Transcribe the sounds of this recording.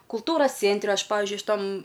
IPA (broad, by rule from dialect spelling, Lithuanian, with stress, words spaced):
kʊlˠˈtuːroːs ˈt͡sʲeːnʲtʲrʲɛ ˈɐʃ ˈpɑːʋʲɪzʲd͡ʒʲʊɪ ʃʲɪˈtɐm